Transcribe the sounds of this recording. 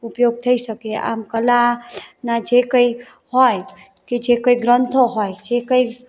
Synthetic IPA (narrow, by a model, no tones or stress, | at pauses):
upjoɡ̚t̪ʰəisəkea̰ːmkəlanad͡ʒekəi | hɔj | kid͡ʒekəiɡɾənt̪ʰoɦɔjd͡ʒekəi